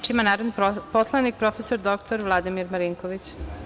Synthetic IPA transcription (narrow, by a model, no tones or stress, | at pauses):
t͡ʃiimanaːɾod̪niposlˠanik̚pɾo̞fesoɾd̪okt̪oɾʋlˠad̪imiɾmaɾiŋkoʋit͡ɕ